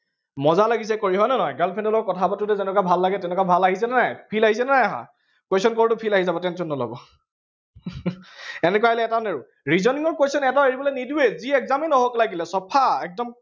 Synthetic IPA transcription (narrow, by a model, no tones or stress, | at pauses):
mɔzalaɡis̬ɛkoɹiɦɔjnɔnɔjɡalpʰɛndɔlɔɹkɔtʰabatʊtɛzɛnɛkabʱalːaɡɛtɛnɛkabʱalaɦisɛnanajpʰilaɦis̬ɛnanajaɦa̰ | kwesɔnkɔɹtʊpʰilaɦizabɔtɛnsʰɔnːɔlɔ̰bɔ | ɛnɛkwaelɛːtaneɹʊ | ɹizɔniŋɔɹkwejsɔnɛtaeɹibɔlenidueziɛɡzaminɔɦoklaɡilɛsɔpʰaɛk̚dɔm